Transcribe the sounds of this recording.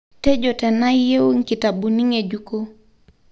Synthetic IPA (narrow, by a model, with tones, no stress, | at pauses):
tɛ˦d͡ʒo˨tɛ˨na˦je˦u˦ŋ˦ki˨ta˨bu˨ni˦ŋe˨d͡ʒu˦ko˦